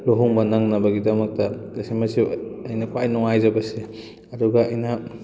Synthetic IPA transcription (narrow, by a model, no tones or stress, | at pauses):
loɦuŋbɐnɐŋnɐbɐɡidɐmɐk̚tɐɐsimɐsiɐjnɐkwajnɔŋajzɐbɐsi | ɐduɡɐɐjnɐ